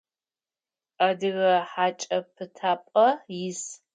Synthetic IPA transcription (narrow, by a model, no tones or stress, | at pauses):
adɨɣɐħaːt͡ʃʼɐpʰɨtʰaːpʼɐjɪs